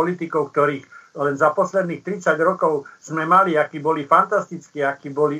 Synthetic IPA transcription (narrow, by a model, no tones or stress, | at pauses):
ɔlit̪ikɔʊkt̪ɔɾiːxlɛnzapɔslɛd̪niːxt̪ɾit͡saɟɾɔkɔʊz̥mɛmaliakiːbɔlifant̪ast̪it͡skiːakiːbɔli